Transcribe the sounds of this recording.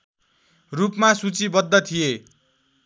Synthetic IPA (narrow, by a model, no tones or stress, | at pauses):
rupmasut͡sibʌd̪ːʌt̪ʰije